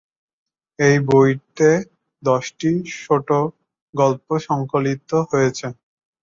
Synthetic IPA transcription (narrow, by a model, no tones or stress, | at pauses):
ejbojɾt̪e | d̪ɔʃʈiʃoʈo | ɡɔlpoʃɔŋkolit̪oɦojet͡ɕʰe